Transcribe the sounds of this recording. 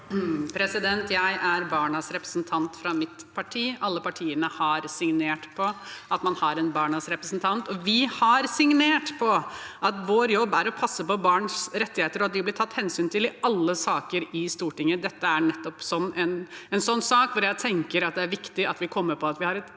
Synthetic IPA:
pʰɾɛsɪd̪ɛnt̪jæɪʔæɾbɑːɳɑsɾɛpɾəsnt̪ʰɑnt̪fɾɑmɪt̪pʰɑʈʰiːɑlːəpɑʈʰiːənəhɑɾsɪŋneːʈpʰɔɑt̪mɑnhɑɾɛnbɑːɳɑsɾɛpɾəsn̩t̪ʰɑnt̪ɔʋɪhɑɾsɪŋneːʈpʰɔʔɑt̪ʋoːɾjɔbːæɾɔpʰɑsːəpɔbɑːɳsɾɛt̪ːɪheːt̪əɾɔɑt̪dʋɪblɪt̪ʰɑt̪ːhɛnsyːnt̪ʰɪlɪɑlːəsɑːkəɾɪst̪uːʈɪŋːəd̪ɛt̪ːəæɾɳɛt̪ːɔpsɔnːɛnɛnsɔnːsɑːkʋʊɾjæɪt̪ʰɛŋkəɾɑt̪̚d̪ɛæɾʋɪkt̪ɪɑt̪ʋɪkʰɔmːəɾpʰɔɑt̪ʋɪhɑɾɛt̪

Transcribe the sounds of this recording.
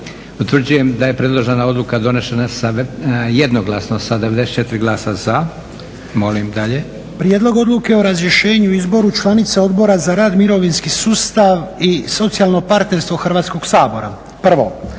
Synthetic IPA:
ut̪ʋrd͡ʑuje̞md̪aje̞pɾe̞d̪lˠoʒenao̞d̪lukad̪o̞ne̞ʃenasajed̪noɡlˠasnosad̪eʋe̞d̪eset̪t͡ʃet̪iɾiɡlˠaːsaz̥a | mo̞limd̪aʎe | pɾje̞d̪lo̞ɡo̞d̪luke̞oɾazɾje̞ʃe̞ːɲuizbo̞ɾut͡ʃlˠanit̪seo̞d̪bo̞ɾazaɾaːd̪miɾo̞ʋinskisuːst̪aʋiso̞t̪sijalno̞paɾt̪ne̞ɾst̪ʋo̞xrʋaːt̪sko̞ɡsaːbo̞ɾa̰ | pr̩ʋo̞

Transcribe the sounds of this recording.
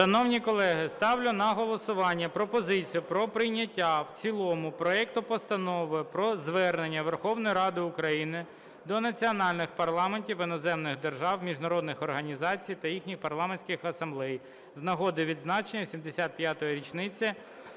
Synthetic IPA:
ʃɐnɔwnʲikɔlˠɛɦɪst̪ɑwlʲʊnɐɦɔlˠɔsʊʋɑnʲːɐpɾɔpɔzɪt͡sʲijʊpɾɔpɾɪjnʲɐtʲːawt͡sʲilˠɔmʊpɾɔɛk̚t̪ʊpɔst̪ɐnɔʋɪpɾɔzʋɛrne̞nʲːɐʋerxɔwnɔjiɾɑd̪ɪʊkɾɐjinɪ | d̪ɔnɐt͡sʲiɔnɑlʲnɪxpɐrlˠɑmenʲtʲiwɪnɔzɛmnɪxd̪erʒɑwmʲiʒnɐɾɔd̪nɪxɔrɦɐnʲizɑt͡sʲijt̪ɐjixnʲixpɐrlˠɑmenʲsʲkɪxɐsɐmblˠɛj | znɐɦɔd̪ɪʋʲid̪znɑt͡ʃenʲːɐsʲimd̪esʲat̪̚pʲjat̪ɔjiɾʲit͡ʃnɪt͡sʲːɐ

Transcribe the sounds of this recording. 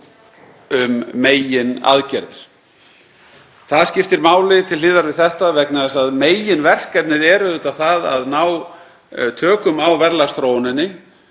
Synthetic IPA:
ʏmːeːjɪna̰ðcɛɾðɪɾ̥ | θaðscɪft̪ɪɾmaːwlɪt̪ʰɪlɪːðaɾvɪðθɛht̪avɛknaðɛsaðmeːjɪnvɛr̥kɛp̪nɪðɛɾʏut̪aθaða̰ðnaːw | t̪ʰœːkʏmawvɛɾlast̪ɾoːwnɪnːɪ

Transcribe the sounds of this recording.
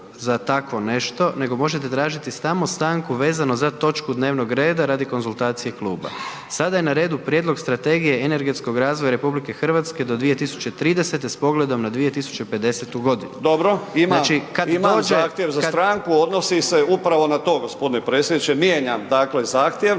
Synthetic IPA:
zat̪akʋo̞ne̞ʃt̪o̞ne̞ɡo̞mo̞ʒet̪̬et̪ɾaːʒit̪ist̪amo̞st̪aːŋkuʋe̞ːzano̞zat̪o̞t͡ʃkud̪ne̞ːʋno̞ɡɾe̞ːd̪aɾad̪iko̞nzulˠt̪aːt̪sije̞klṵːba̰ | sad̪ajenaɾe̞ːd̪upɾjed̪lˠo̞ɡst̪ɾat̪e̞ːɡije̞ene̞ɾɡe̞t̪sko̞ɡɾaːzʋojaɾe̞publike̞xr̩ʋat̪ske̞d̪o̞d̪ʋijet̪isu̥t͡ʃe̞t̪ɾiːd̪ese̞t̪̬espo̞ɡle̞d̪o̞mnad̪ʋije̞t̪isu̥t͡ʃepe̞d̪e̞set̪uɡo̞d̪inud̪obɾoimnat͡ʃikadimoːd͡ʒeaxt̪jeʋzat̪ɾaŋkuod̪nosiseupɾaʋo̞nat̪o̞ːɡospo̞d̪inepɾeːtsjed̪nit͡ʃemjeːɲamd̪aːklezaːxt̪jeʋ

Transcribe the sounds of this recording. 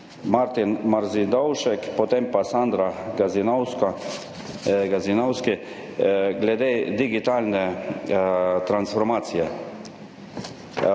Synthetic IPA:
maɾt̪inmaɾzid̪ɔwʃɛkpɔt̪empasand̪ɾaɡazinɔwska | ɡazinɔwskɪ | ɡlɛd̪ed̪iɡit̪aːlnɛ | t̪ɾansfɔɾmaːt̪sijɛ

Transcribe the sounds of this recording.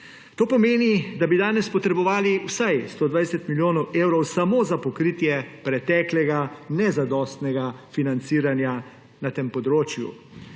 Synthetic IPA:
t̪oːpɔmeːnid̪abid̪aːnɛspɔt̪ɾɛbɔʋaːliwsajst̪oːd̪ʋajsɛt̪miljoːnɔwʔeːwɾɔwsamozapɔkɾiːt̪jɛpɾɛt̪ɛːklɛɡanɛzad̪ɔːst̪nɛɡafinant̪siːɾanja | nat̪empɔd̪ɾoːt͡ʃjṵ

